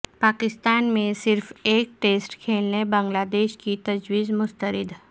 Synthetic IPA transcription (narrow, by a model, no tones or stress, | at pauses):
paːkɪst̪aːnmẽsɪɾfeːk̚ʈeːsʈkʰeːlnebə̃ŋɡlaːd̪eːʃkit̪ɐd͡ʒwiːzmʊst̪əɾɪd̪